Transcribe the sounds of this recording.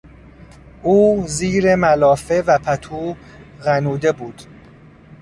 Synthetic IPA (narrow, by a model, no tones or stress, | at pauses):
ʔuːziːɾemælɒːfe̞væpʰæt̪ʰuː | ɣænuːd̪e̞buːd̪̥